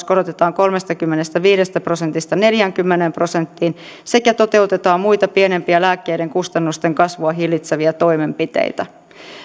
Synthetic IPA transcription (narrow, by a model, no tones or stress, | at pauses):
sko̞ɾot̪et̪ɑːŋko̞lme̞st̪ɑkymːenest̪æʋiːɾe̞st̪æpro̞se̞nt̪ist̪ɑne̞ljæŋkymːenempro̞se̞nt̪ːiːn | se̞kæt̪o̞t̪e̞ut̪e̞t̪ɑːmmujt̪ɑpiene̞mpiælæːkːe̞jde̞ŋkust̪ɑnːust̪eŋkɑsʋuɑɦilːit̪seʋiæt̪o̞jme̞mpit̪ḛit̪æ